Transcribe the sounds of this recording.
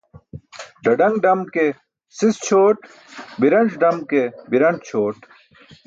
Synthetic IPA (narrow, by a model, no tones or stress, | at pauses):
ɖɐɖɐŋɡɖɐmke | sist͡ɕʰoːʈ | biɾɐnd͡ʑɖɐmkebiɾɐɳʈt͡ɕʰoːʈ